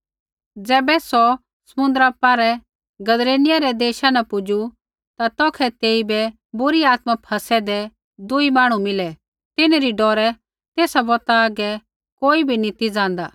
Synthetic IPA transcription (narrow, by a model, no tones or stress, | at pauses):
d͡zɛːbɛsɔ | sɐmʊ̃nd̪ɾaːpːaːɾɛ | ɡɐd̪ɾeːnɪjaɾɛd̪eːʃanɐpʊd͡ʒu | t̪at̪ɔːkʰɛt̪eːibɛ | bʊɾiaːt̪mapʰɐsɛd̪ɛ | d̪ʊimaːɽ̃umɪlɛ | t̪ɪneɾiɖɔːɾɛ | t̪eːsabɔt̪aːɡɛ | koːibʱinĩt̪id͡zãːnd̪aː